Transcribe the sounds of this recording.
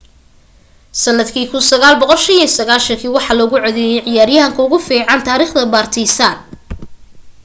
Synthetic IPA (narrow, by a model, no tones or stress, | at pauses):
sɐnɐd̪kʰiːkʰʊnsɐɣaːlbɔqɔlʃɐnijɔsɐɣaːlʃɐŋkʰiːwɑħɑlɔːɣʊʕɔðɛjɛjʕɪjaːɾjɐɦɐŋkʰɐʊɣʊfiːʕɑnt̪ʰaːɾiːχd̪ɐbaːrt̪ʰɛsan